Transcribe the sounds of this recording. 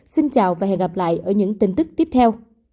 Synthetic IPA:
si˧nt͡ɕaː˨˩wvaː˨˩ɦɛ̰˧˨ŋɣa˨˩p̚la̰ː˧˨jʔəː˧˩ɲɨ̰˧˥ŋt̪ï˧ŋ̟t̪ɨ˦˥k̚t̪i˦˥əp̚t̪ʰɛ˧w

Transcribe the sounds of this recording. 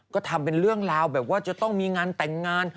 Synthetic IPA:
kɔː˦˥˩t̪ʰa˧mpe˧nɾɯ˥˩əŋlaː˧wbɛː˨˩p̚waː˥˩t͡ɕa˨˧˩t̪ɔ˥˩ŋmiː˧ŋaː˧nt̪ɛ˨˩ŋːaː˧n

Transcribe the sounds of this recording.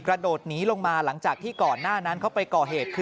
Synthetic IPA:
kɾa˧doː˨˩t̪̚niː˦˥lo˧ŋmaː˧la˩˦ŋt͡ɕaː˨˩k̚t̪ʰiː˥˩kɔː˨˩nːaː˥˩na˦˥nkʰa˦˥wpa˧jkɔː˨˩ɦeː˨˩t̪̚kʰɯ˧

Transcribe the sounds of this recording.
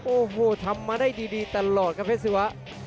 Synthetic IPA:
ʔoː˧˩ɦoː˨˧˩t̪ʰa˧mːaː˧daː˥˩jdiː˧diː˧t̪a˧lɔː˨˩t̪̚kaː˧˩pʰe˦˥si˧˩wa˦˥ʔ

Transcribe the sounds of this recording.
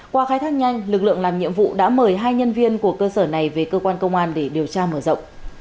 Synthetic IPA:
kwaː˨˧xaː˨˦jt̪ʰaː˧˥k̚ɲa˧jŋ̟lɨ˨˩k̚lɨ̰˧˨əlaː˨˩mɲḭ˧əmvṵ˧˨ɗa̰ː˧˥məː˧˩jɦaː˧jɲə˧nvi˧ənku˧˩əkəː˧səː˧˩na˨˩jve˨˩kəː˧kwaː˧nkə˧wŋ͡mʔaː˧nɗe˧˩ɗi˨˩əwt͡ɕaː˧məː˧˩zə̰˧˨wŋ͡m

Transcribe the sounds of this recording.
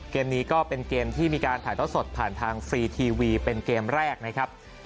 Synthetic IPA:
keː˧mniː˦˥kɔː˥˩pe˧nkeː˧mt̪ʰiː˥˩miː˧kaː˧nt̪ʰaː˩˦jt̪ʰːnso˨˩t̪̚pʰaː˨˩nt̪ʰaː˧ŋfɾiː˧t̪ʰiː˧wiː˧pe˧nkeː˧mɾɛː˥˩k̚na˦˥kʰa˦˥p̚

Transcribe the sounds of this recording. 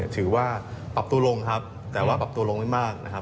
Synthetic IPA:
ɐt̪ʰɯː˩˦waː˥˩pa˨˩p̚t̪u˧lo˧ŋkʰa˦˥p̚ | t̪ɛː˨˩waː˥˩pa˨˩p̚t̪u˧lo˧ŋma˥˩jmaː˥˩k̚na̰˦˥kʰa˦˥

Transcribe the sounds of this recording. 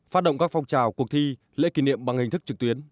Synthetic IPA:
faː˦˥t̚ɗə̰˧˨ŋ͡mkaː˦˥k̚fɔ˧wŋ͡mt͡ɕaː˨˩wku˨˩ək̚t̪ʰi˧ | lḛ˧˥ki˨˧˩nḭ˧˨əmɓa˨˧˩ŋhi˨˩ŋ̟t̪ʰɨ˦˥k̚t͡ɕɨ˨˩k̚t̪wi˨˦ən

